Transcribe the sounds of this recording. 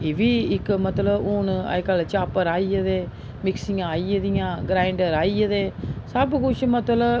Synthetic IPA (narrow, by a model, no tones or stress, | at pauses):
eːʋiːɪkmət̪ləbʊna̰jkəlt͡ʃaːpəɾaːiːəd̪eː | mɪksɪŋɡaːiːəd̪ɪjãːɡɾaːɪɳɖəɾaːiːəd̪eːsəbɡʊt͡ʃmət̪lə